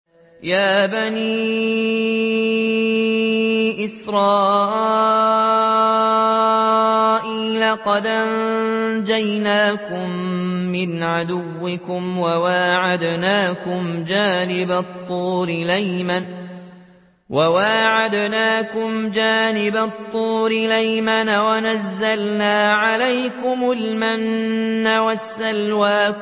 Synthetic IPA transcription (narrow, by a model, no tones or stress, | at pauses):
jaːbaniː | ʔɪsɾˤɑːʔ | ʔiːlaqɑd̪ʔand͡ʒajnaːkʊmːɪnʕad̪ʊwːɪkʊmwawaːʕad̪naːkʊmd͡ʒaːnɪbat̪ˤːuːɾɪlajman | wʔawaʕad̪naːkʊmd͡ʒaːnɪbat̪ˤːuːɾɪlajmanawanazːalnaːʕalajkʊmʊlmanːawasːalwaː